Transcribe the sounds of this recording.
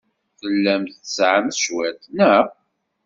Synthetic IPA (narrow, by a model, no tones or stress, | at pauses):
θəlːæmt̪əsʕamʃwæt̪næ